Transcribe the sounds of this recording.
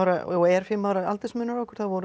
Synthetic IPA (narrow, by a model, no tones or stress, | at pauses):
wɾaoɛɾ̥fɪmːaːwɾaa̰lt̪ɪsmʏnːaɾɔwhkʏɾ̥θaðvɔɾʏ